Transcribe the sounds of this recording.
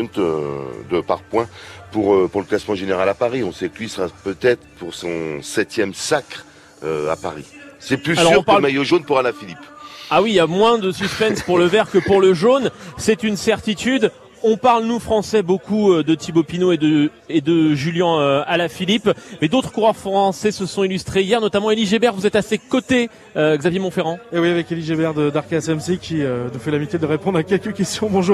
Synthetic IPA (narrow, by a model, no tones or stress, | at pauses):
t̪ø̰d̪əpa̰ʁpwɛ̃puʁøpuʁləklasmɑ̃ʒeneʁalapaʁiɔ̃sɛklɥisəʁapøt̪ɛt̪χpuʁsɔ̃sɛt̪jɛmsakχ | øa̰pa̰ʁḭsɛplysalɔʁʁɔ̃paʁlmajoʒonpuʁalafilipawijamwɛ̃d̪əsyspɛnsspuʁləvɛʁkəpuʁləʒonsɛt̪ynsɛʁt̪it̪yd̪ | ɔ̃paʁlnufχɑ̃sɛbokʰuød̪ət̪ibopinoed̪ə | ed̪əʒyljɑ̃øalafilipmɛd̪ot̪χkuʁœʁfχɑ̃sɛsəsɔ̃ilyst̪χeijɛʁnɔt̪amɑ̃eliʒebɛʁvuzɛt̪asekɔt̪e | øɡzavjemɔ̃feʁɑ̃ewiavɛkeliʒebɛʁd̪əd̪aʁkasɛmsikʲʰiønufɛlamit̪jed̪əʁepɔ̃d̪ʁakʲɛlkəkʲɛst̪jɔ̃bɔ̃ʒuːʁ